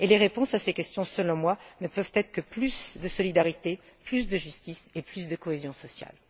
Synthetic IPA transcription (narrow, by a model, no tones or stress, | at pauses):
eleʁepɔ̃sasekʲɛst̪jɔ̃səlɔ̃mwanəpœvt̪ɛt̪χəkəplysd̪əsɔlid̪aʁit̪e | plys̬d̪əʒyst̪iseplysd̪əkɔezjɔ̃sɔsja̰l